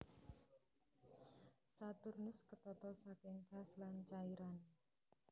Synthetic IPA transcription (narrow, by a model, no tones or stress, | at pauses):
sat̪ʊrnʊskət̪ɔt̪ɔsakɪŋɡ̥a̤slant͡ʃaiɾan